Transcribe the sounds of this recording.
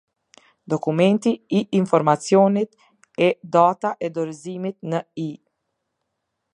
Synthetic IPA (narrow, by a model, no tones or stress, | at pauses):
d̪ɔkumɛnt̪iiʔːnfɔɾmat͡sjɔnit̪ | ɛd̪at̪aʔɛd̪ɔɾzimit̪nəi